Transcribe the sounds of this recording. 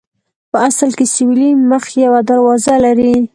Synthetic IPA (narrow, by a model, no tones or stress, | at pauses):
pəasəlkesɪwiliməxjawad̪aɾwɑzalaɾi